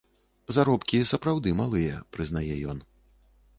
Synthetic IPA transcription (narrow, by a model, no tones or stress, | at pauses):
zaɾɔpkʲisɐpɾawd̪ɨmalˠɨjɛ̰pɾɨznajɛjɔn